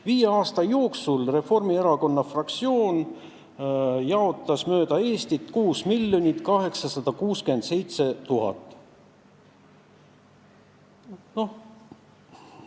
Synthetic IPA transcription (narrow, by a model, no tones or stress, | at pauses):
viːjeɑːst̪ɑjo̞ːksulre̞fo̞rmie̞ɾɑko̞nːɑfrɑkt̪sio̞ːn | jɑo̞t̪ːˑɑsmø̞ːd̪̥ɑe̞ːst̪it̪kuːsmilːjo̞nʲit̪ːˑkɑɦe̞ksɑsɑd̪̥ɑkuːskyend̪̥se̞jt̪se̞t̪uɦɑ̰t̪ːˑ | no̞h